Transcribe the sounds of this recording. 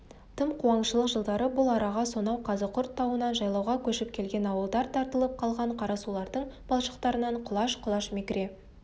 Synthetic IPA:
t̪ʰəmqʰuɑɴʃəlˠəqʒəlˠd̪ɑɾəbʊlˠɑɾɑʁɑso̞nɑwqʰɑzəqʰʊɾt̪ʰːɑwənɑnʒɑjlˠɑwʁɑkʲʰɵʃɪp̚kʲʰe̞lɡʲe̞nɑwəlˠd̪ɑɾt̪ʰɑɾt̪əlˠəp̚qʰɑlˠʁɑɴqʰɑɾɑsulˠɑɾd̪əɴb̥ɑlˠʃə̥qt̪ɑɾənɑɴqʰʊlˠɑʃqʰʊlˠɑʃmʲikɾe

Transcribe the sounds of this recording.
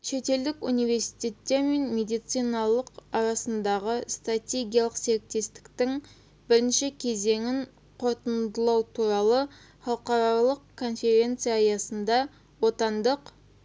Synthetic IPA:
ʃe̞t̪e̞ld̪ɪkṵnijve̞ɾsi̥t̪e̞t̪ːe̞ɾme̞nme̞d̪ijt̪sijnɑlˠəqɑɾɑsənd̪ɑʁəst̪rat̪ʲe̞ɡʲijalˠəqse̞ɾɪk̚t̪e̞st̪ɪ̥kt̪ɪŋ | bɪɾɪnʃɪkʲʰe̞ze̞ŋɪŋ | qʰo̞ɾt̪ənd̪əlˠɑwt̪ʰuɾɑlˠə | χɑlˠqɑɾɑlˠəqkʰːo̞nfe̞ɾʲe̞nt̪sɨjajɑsənd̪ɑ | wo̞t̪ɑnd̪əq

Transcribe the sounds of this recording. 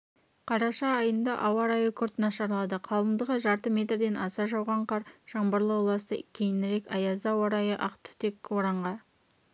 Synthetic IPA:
qʰɑɾɑʃɑːjənd̪ɑʔɑwɑɾɑjəkʲʰʏɾt̪nɑʃɑɾlˠɑd̪əqʰɑlˠəmd̪əʁəʒɑɾt̪əme̞t̪rd̪e̞nʔɑsɑʒɑwʁɑɴqʰɑɾʒ̥ɑɴbəɾlˠəwlˠɑst̪ə̰kʲʰejɪnɪɾe̞kʲɑjɑzɑwoɾɑjəʔɑqt̪ʏ̥t̪ekoɾɑɴʁɑ

